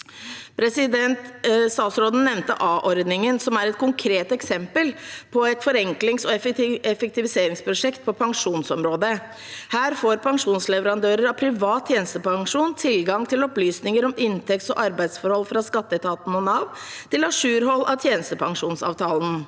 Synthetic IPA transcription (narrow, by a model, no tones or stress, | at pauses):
pʰɾɛsɪd̪ɛnt̪st̪ɑːt̪sɾoːd̪n̩nːɛʋnt̪ə̰ʔɑːʔɔɾd̪nɪŋənsɔmæɾɛt̪̚kʰʊŋkʰɾeːt̪ɛksɛmpəlpʰɔɛt̪fɔɾɛŋklɪŋsɔɛɛfɛk̚t̪ɪʋɪseːɾɪŋspʰɾʊʂɛkt̪̚pʰɔpʰɑŋʂuːnsɔmɾoːd̪ə | hæːɾfoːɾpʰɑŋʂuːnslɛʋəɾɑnd̪øːɾəɾɑpʰɾɪʋɑːt̪̚ʰjeːnəst̪əpɑŋʂuːnt̪ʰɪlɡɑŋt̪ʰɪlɔplyːsnɪŋəɾɔmɪnt̪ʰɛkt̪sɔ̰ʔɑɾbæɪd̪sfɔɾhɔlfɾɑskɑt̪ːət̪ʰɑːt̪n̩ɔnɑːʋt̪ʰɪlɑʂʉːɾɦɔlːɑt̪ʰjeːnəst̪əpʰɑŋʂuːnsɑ̰ːʋt̪ʰɑːln̩